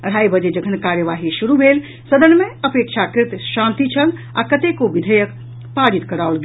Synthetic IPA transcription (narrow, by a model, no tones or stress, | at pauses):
əɽ̤aibəd͡ʒed͡ʒəɡʰʱənkaɾjəʋaɦisuɾubʱel | səd̪ənːmeəpekʃʰakɾt̪ʃãnt̪it͡ʃʰəl | a̰kət̪ekoʋid̪ʱəjək | paɽit̪kəɾaulɡ